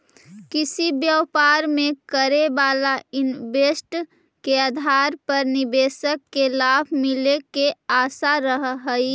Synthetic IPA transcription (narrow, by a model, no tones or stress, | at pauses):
kɪsibjəwpaːɾmẽkəɾebaːlaɪnbesʈ | keaːd̪ʱaːɾpəɾnɪbeːsəkːelaːbʱmɪlekeaːsaɾəɦɦəi